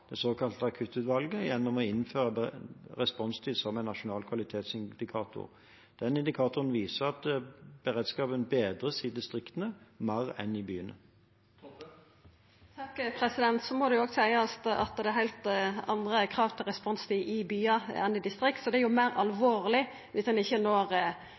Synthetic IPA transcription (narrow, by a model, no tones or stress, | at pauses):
d̪̥ɛsoːkʰɑlt̪əɑkʰʉt̪ːʉːt̪ʋɑlɡəjɛnːɔmɔɪnføːʁəbʁɛspɔnst̪ʰɪlsɔmæɪnːɑʃʊnɑːlkʰʋɑlɪt̪ʰeːt̪sɪnd̪ɪkʰɑːt̪ʰʊ̰ʁ | d̪̥ɛnɪnd̪ɪkʰɑːt̪ʊʁənʋiːsəʁɑt̪b̥əʁeːd̪skɑːpənbeːd̪ʁəsɪd̪ɪst̪ʁɪkt̪ənəmæʁɛ̰nɪbyːənə̰ | t̪ʰɑkːpʰɾɛsɪd̪ɛnt̪sɔmɔd̪ɛjʊoːɡsæɪəɑt̪ɑ̰t̪d̪ɛæɾhæɪlt̪ɑ̰nd̪ʁəkʰʁɑːʋt̪ʰɪlʁɛspɔnst̪ʰɪʔɪbyːɑɛ̰nɪd̪ɪst̪ɾɪkt̪sɔd̪ɛæjʊmæɪʁɑlʋoːʁlɪ | ʋɪsd̪ɛnɪçːənoːʁ